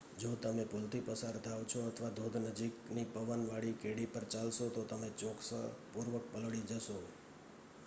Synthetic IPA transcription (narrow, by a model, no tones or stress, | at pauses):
d͡ʒot̪əmepʊlt̪ipəsaɾt̪ʰaʋt͡ʃʰoət̪ʰʋad̪ʱod̪ʱnəd͡ʒiknipəʋənʋaɽikeɽipəɾt͡ʃalʃot̪ot̪əmet͡ʃoksə̰puɾʋək̚pəlɽid͡ʒəʃo